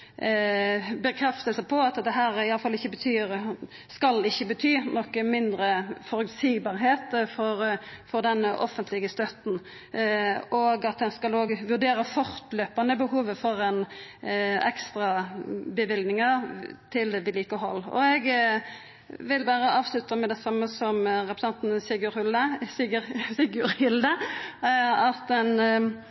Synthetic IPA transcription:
bəkʰɾɛft̪əlsəpʰɔɑt̪d̪ɛɦæːɾɪɑləfɑlːɪçːəbət̪ʰyːɾ | skɑlːɪçːəbət̪ʰyːnɔkəmɪnd̪ɾəfɔɾʉksiːbɑːɾɦeːt̪fɔɾfɔɾd̪ɛnʔɔ̰fənt̪ʰlɪɡəst̪œt̪n̩ | ɔɡɑt̪̚d̪ɛnskɑloːɡʋʉʁd̪eːɾəfɔʁt̪løːpɑnəbəhuːʋəfɔɾɛn | ɛ̰kst̪ʁɑbəʋɪld̪nɪŋəʁt̪ʰɪlʋɪliːkəɦɔlːɔ̰ɛɡ | ʋɪlbæːɾəʔɑːʋslʉt̪əmɛd̪ɛsɑmːəsɔmʁɛpɾə̥sɑnt̪n̩siɡʊɾhʉlːəsiəɾsiɡʊɾhɪld̪ə | ɑt̪d̪ɛn

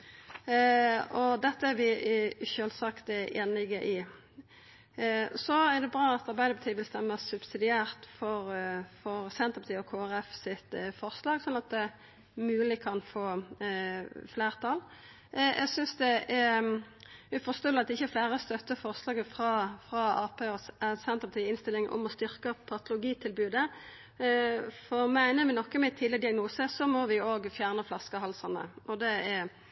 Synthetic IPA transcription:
ɔd̪ɛt̪ːəæɾʋɪʃøːlsɑkt̪ʔḛːnlɪɡəʔɪ | sɔæʁd̪ɛbʁɑːɑt̪ɑɾbæɪd̪əpʰɑt̪iːʋɪlst̪ɛmːəsʉb̥sɪd̪ɪæːʁt̪fɔɾfɔɾsɛnt̪əʁpɑt̪iːɔkʰoːæʁɛfsɪt̪fɔʁslɑːɡsɔnːɑt̪̚d̪ɛ | mʉːəlɪkʰɑnfoː | fleːʁt̪ʰɑl | ʔɛ̰ɡsʏnsd̪ɛɛ | ʉfɔst̪oːlɑt̪d̪ɛɪçːəɛflæːʁəst̪œt̪ːəfɔʁslɑːɡəfʁɑfʁɑɑːpʰeːɔsɛnt̪əpɑt̪ʰiːɪnst̪ɪlɪŋʔɔ̰mɔst̪ʏɾkəpʰɑt̪ʊlʊɡiːt̪ʰɪlbʉːd̪ə | fɔɾmæɪnəʋɪnɔkːəmɛɪt̪ʰɪləd̪ɪɑɡnuːsəsɔmɔʋɪoːɡfjæːʁnəflɑskəɦɑlsɑnə̰ɔd̪ɛæ

